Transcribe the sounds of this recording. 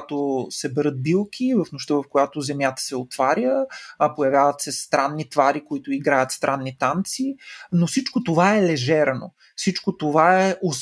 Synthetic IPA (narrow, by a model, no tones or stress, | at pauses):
t̪osɛbɛɾɤt̪̚bilˠkʰivəfnoʃt̪əvɐfkojat̪ozɛmjat̪ə̥sɛot̪vaɾʲjəpojɐvʲjavət̪sɛst̪ɾanːit̪vaɾikoit̪ʊiɡɾajət̪st̪ɾʔanːit̪ant̪sinosit͡ʃkot̪ovaɛlɛʒɛɾno̰ | fsit͡ʃkot̪ovaɛʔos